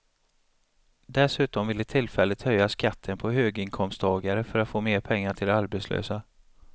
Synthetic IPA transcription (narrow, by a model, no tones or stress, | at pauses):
d̪ɛsʉ̟ːt̪ɔmvɪlːət̪ʰɪlːfɛlːət̪hœjːaskat̪ʰːənpʰɔhøːɡɪŋkʰɔmst̪ʰɑːɡaɾəfœɾat̪foːmeːɾpʰɛŋːaʈʰɪld̪ɛaɾbɛt̪slø̰ːsa